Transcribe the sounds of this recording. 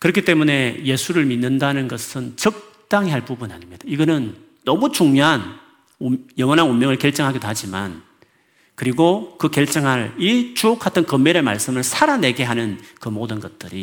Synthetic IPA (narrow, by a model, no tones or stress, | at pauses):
kɯɾʌkʰit͈e̞mune̞je̞sʰuɾɯɭminːɯndanɯnɡʌsʰɯnt͡ɕʌk̚ | t͈aŋiɦaɭpubuna̰ɲimɲid̥aiɡʌnɯnː | ʌmut͡ɕuŋɲoɦan | jʌŋʌnanumjʌŋɯɭkeɭt͡ɕ͈ʌŋɦaɡidoɦad͡ʑima̰n | kɯɾiɡokɯkeɭt͡ɕ͈ʌŋɦaɭit͡ɕuokʰatʰɯnkʌmːeɾeɭma̰ɭs͈ɯmɯɭsʰaɾane̞ɡe̞ɦanɯnkɯmodɯnɡʌt̚t͈ɯɾi